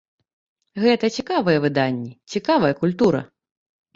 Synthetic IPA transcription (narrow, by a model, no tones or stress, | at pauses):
ɣɛt̪ɐt͡sʲikavɐjɛvɨd̪anʲːɛt͡sʲikavɐjɐkulʲt̪uɾɐ̰